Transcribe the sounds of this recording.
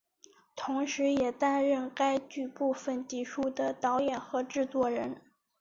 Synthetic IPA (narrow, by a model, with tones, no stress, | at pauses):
t̪ʰʊ˧˥ŋʂɻ̩˧˥jɛ˨˩t̪a˥nɻə˥˩nka˥ɪt͡ɕy˥˩˧pu˥˩fə˨˩nt̪i˧˥ʂu˥d̪ə˨˩t̪ɑ˧˥ʊjɛ˨˩nxɤ˧˥ʈ͡ʂɻ̩˥˧t͡swɔ˥˩ɻə˧˥n